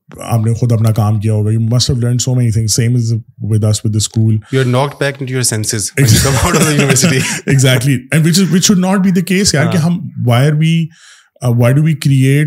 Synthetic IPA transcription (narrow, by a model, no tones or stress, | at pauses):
a̰ːpnexʊd̪ɐpnakaːmkijaɦoːɡajuːmɐsʈhɛʋlə̃ːɳɖsoːmɛnit̪ʰɪ̃ŋzsẽːmɪzwɪd̪ɐsʋɪd̪əskuːljuanɔːk̚ʈ̚bækɪ̃nʈujɔɾsɛ̃nsɪzɪkɐmaɔəjunɪʋəsɪʈiɪɡzæːk̚ʈliɛ̃nʋɪt͡ʃɪzʋɪt͡ʃʃʊɖ̚nɔːʈ̚biːd̪əkeːsjaːɾkeɦɐ̃mʋaɪəɾʋi | ʋaːɪɖuʋiːkɾieːʈ